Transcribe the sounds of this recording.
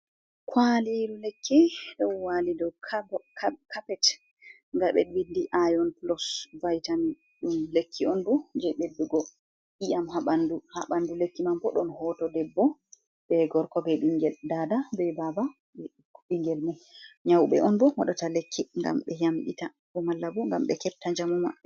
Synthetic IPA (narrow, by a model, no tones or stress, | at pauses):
kʰwaliɾulekʰːiɗɔwwalidɔwkkkapɛt | ŋɡaɓɛ̰ɗwindiʔajɔnplɔsvajtani | ɗumlekʰːiɔnbɔd͡ʒɛɓebːiɡɔ | ʔijamɦaɓanduhaɓandulekːimambɔɗɔnhɔtɔdɛbːɔ | bɛɡɔɾkɔbɛɗumɡɛldadabɛbaba | ɓiŋɡɛlmuɲawɓɛ̰ʔɔnbɔwa̰ɗɔtalekʰːiŋɡa̰mɓɛjamɓḭta | bɔmalːabɔŋɡamɓɛ̰kɛp̚tːaɲd͡ʒamuma̰